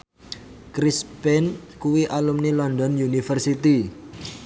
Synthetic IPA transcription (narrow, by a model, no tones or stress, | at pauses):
kɾispɛnkuwiʔalumnilɔnd̪ɔnjunifərsit̪i